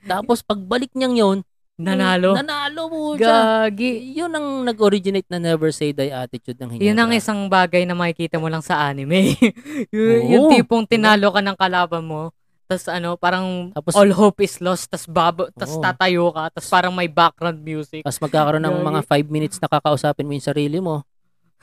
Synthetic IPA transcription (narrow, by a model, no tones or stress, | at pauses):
t̪aːpospɐɡ̚bɐlɪk̚ɲɐŋjon | nɐnaːloɐnaːloɡaɡɪjʊnɐŋnɐɡoɾɪd͡ʒɪnejt̪̚nɐnɛvɛɹsejd̪ɐjʔaːt̪ɪt͡ʃud̪̚nɐŋhɪjʊnɐŋʔɪsɐŋbaːɡɐjnɐmɐkɪkiːt̪ɐmolɐŋsɐʔaːnɪmɛjʊjʊt̪iːpoŋt̪ɪnaːlokɐnɐŋkɐlaːbɐnmo̞ | t̪ɐsʔɐno̞paːɾɐŋt̪aːpoʔolɦowpʔɪslost̪ɐsbabt̪ɐst̪aːt̪ɐjokɐt̪ɐspaːɾɐŋmɐjbak̚ɡ̥ɾawnd̪̚mjuːsɪk̪̚ɐsmɐɡkaːkɐɾo̞nːɐŋmɐŋafajb̚mɪnɪt̪snɐkakɐʔʊsaːpɪnmojʊŋsɐɾiːlɪmo̞